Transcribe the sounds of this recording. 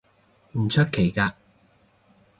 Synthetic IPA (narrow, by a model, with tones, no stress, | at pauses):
m̩˨˩t͡ʃʰɵ˥t̚kʰe˨˩jkaː˧